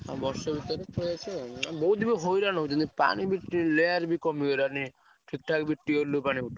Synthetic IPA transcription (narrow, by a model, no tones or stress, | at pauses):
a̰bɔɾʃɔbʱit̪ɔɾeɔjat͡ʃʰebɔɦud̪ibeɦojɾanɔɦut̪ɔnipa̰ñibiʈːileaɾbikɔmioɾani | ʈʰik̚ʈʰakbiʈːioɾlupañiuʈʰ